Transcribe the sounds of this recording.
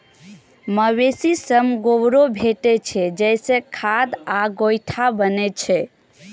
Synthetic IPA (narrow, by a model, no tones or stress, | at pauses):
məwesisəmɡobɾobʱeʈɛt͡ʃʰɛd͡ʒɛjsẽkʰad̪aɡojʈʰabənɛt͡ʃʰɛ